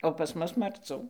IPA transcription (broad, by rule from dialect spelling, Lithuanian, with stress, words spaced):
oː pɐs ˈmʊs mɐrˈt͡suː